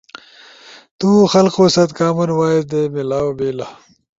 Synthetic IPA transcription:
t̪uːxɐlqoːsɐt̪kaːmɐnwaːizd̪eːmilaːwobeːla

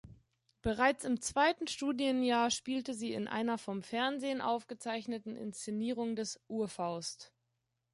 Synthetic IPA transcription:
b̥əʁaɪt͡sɪmt͡sv̥aɪtn̩ʃtuːdjənjaːɐʃpiːltəziːɪ̰nʔa̰ɪnɐfɔmfɛɐnzeːənʔa̰ʊfɡ̥ət͡saɪçnətn̩ʔɪ̰nst͡seniːʁ̞ʊŋdɛsʔuːɐfaʊst

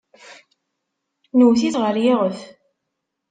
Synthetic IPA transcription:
nəwθiθʁəɾjɪʁəθ

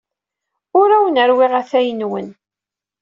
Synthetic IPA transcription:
ʊɾæwənəɾwɪʁæθæjənwən

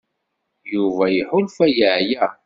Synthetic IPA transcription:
juvæjəħʊlfæjəʕjæ

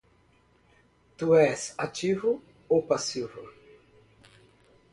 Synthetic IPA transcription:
t̪uɛsat͡ʃivʊ | opasivʊ

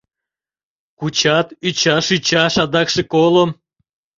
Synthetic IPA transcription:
kut͡ɕɑt̪yt͡ɕɑʃyt͡ɕɑʃɑd̪ɑkʃekolom

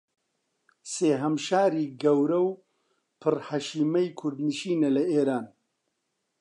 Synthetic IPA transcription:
seːɦɐmʃaːɾiːɡɐwɾɐw | pʰɨrhɐʃiːmɐjkʰʊɾd̪nɨʃiːnɐlɐʔeːɾaːn

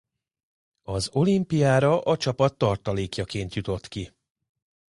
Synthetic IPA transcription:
ɒzo̞limpijaːɾɒʔɒt͡ʃɒpɒt̪ːɒrt̪ɒleːkjɒkeːnt̪jut̪o̞t̪ki

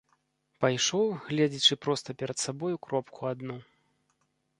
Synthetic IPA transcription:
pajʂɔwɣlʲɛd͡zʲit͡ʂɨpɾɔst̪ɐpʲɛɾɐt̪sabɔjukɾɔpkʰuad̪nu

